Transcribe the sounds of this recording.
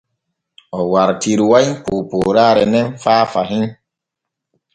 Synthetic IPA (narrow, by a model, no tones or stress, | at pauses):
ɔwaɾtiɾwajpoːpoːɾaːɾɛnɛnfaːfaɦin